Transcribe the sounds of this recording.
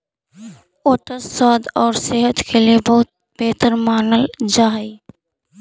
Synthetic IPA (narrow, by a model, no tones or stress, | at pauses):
oːʈəswaːd̪ɔːɾseɦət̪kʰeliebɐɦʊt̪̚ | b̥eːt̪əɾmaːnəld͡ʒaːɦi